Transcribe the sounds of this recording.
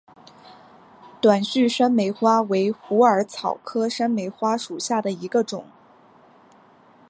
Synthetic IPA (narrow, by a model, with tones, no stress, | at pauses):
t̪wa˨˩nɕy˥˩ʂa˥nme˧˥ɪxwa˥we˧˥ɪxu˧˥ə˞˧˥t͡sʰɑ˨˩ʊkʰɤ˥ʂa˥nme˧˥ɪxwa˥ʂu˨˩ɕja˥˩d̪ə˩i˧˥ɡə˧ʈ͡ʂʊ˨˩˦ŋ